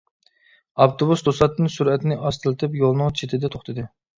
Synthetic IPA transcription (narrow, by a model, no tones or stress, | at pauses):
ɑft̪ʰobusd̪osɑt̪ːnɨnsuɾɛt̪ɪnɪʔɑst̪ʰɨlˠɨt̪ʰɨpjolˠnɨŋt͡ʃʰet̪ʰɪd̪ɛt̪ʰo̥χt̪ʰɨd̪ɨ